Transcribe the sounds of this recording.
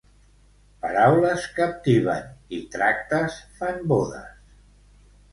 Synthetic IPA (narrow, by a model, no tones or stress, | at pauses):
pəɾawləskəp̚t̪iβ̞ə̰nit̪ɾak̚t̪əsfamboðə̰s